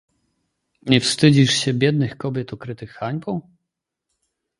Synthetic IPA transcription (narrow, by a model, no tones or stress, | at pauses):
ɲɛfst̪ɘd͡ʑiʂɕɛbʲjɛd̪̚nɘxkɔbʲjɛt̪ukɾɘt̪ɘxːaɲʲpɔ̃w̃